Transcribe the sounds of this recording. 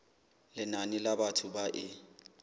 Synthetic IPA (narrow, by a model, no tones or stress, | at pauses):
lɪnanɪlabatʰʊbaʔɪ